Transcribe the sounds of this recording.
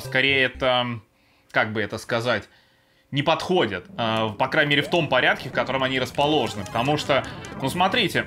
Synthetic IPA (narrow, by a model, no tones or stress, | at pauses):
skɐɾʲejəɛt̪ə | kaɡ̚bɨɛt̪əskɐzatʲ | nʲɪpɐt̪xo̞dʲɪt̪apɐkɾanʲɪmʲeɾʲɪft̪o̞mpɐɾʲat̪̚kʲɪfkɐt̪o̞ɾəmɐnʲiɾəspɐlˠo̞ʐɨnɨpə̥t̪ɐmuʂt̪onusmɐt̪ɾʲitʲɪ